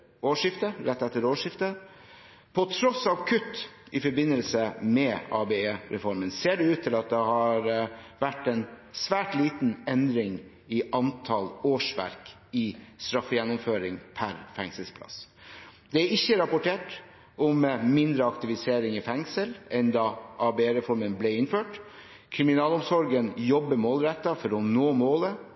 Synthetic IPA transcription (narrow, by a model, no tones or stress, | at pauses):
oːʂɪft̪əɾɛt̪ːɛt̪ːəɾoːʂɪft̪ə | pʰɔt̪ʰɾɔsɑʋkʰʉt̪ːɪfɔɾbɪnːəlsəmɛɑ̰ːbeeːɾɛ̰fɔɾmənseːɖɛʉːt̪ʰːɪlɑt̪̚d̪ɛhɑɾʋæʈːɛɪnsʋæːʈliːt̪n̩ɛnd̪ɾɪŋ | ɪʔɑnt̪ʰɑloːʂʋæ̰ɾk | ɪst̪ɾɑfːəjɛnːɔmføːɾɪŋpʰæɾfɛŋsəlspʰlɑ̰s | d̪̥ɛæɾɪçːəɾɑpʊʈʰeːʈ | ɔmmɪnd̪ɾəɑkt̪ɪʋɪseːɾɪŋɪfɛŋsəlɛnd̪ɑʔɑːbeeɾɛfɔɾmənblɛɪnføːʈ | kʰɾɪmɪnɑːlɔmsɔɾɡənjɔbːəmoːlɾɛt̪ːɑfɔɾɔnoːmoːlə